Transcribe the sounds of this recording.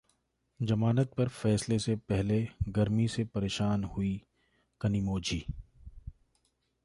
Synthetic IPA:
d͡ʒɐmaːnət̪̚pɐɾfɛːslesepɛɦleɡɐɾmisepɐɾeːʃaːnhʊi | kɐnimoːd͡ʒʱiː

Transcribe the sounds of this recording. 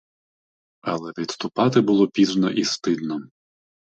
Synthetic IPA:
ɐlˠɛʋʲid̪st̪ʊpɑt̪ɪbʊlˠɔpʲiznɔʔist̪ɪd̪nɔ

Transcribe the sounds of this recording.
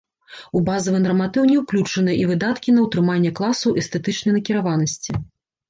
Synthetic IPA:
ubazɐvɨnɐrmat̪ɨwnʲɛwklʲut͡ʂɐnɨjɐʔivɨd̪at̪kʲinɐwt̪ɾɨmanʲːɛklˠasɐwʔɛst̪ɛt̪ɨt͡ʂnɐjnɐkʲiɾavanɐsʲt͡sʲi

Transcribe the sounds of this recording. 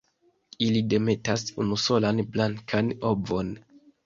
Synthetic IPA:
ilide̞me̞tasunuso̞lanblaŋkʰano̞bo̞n

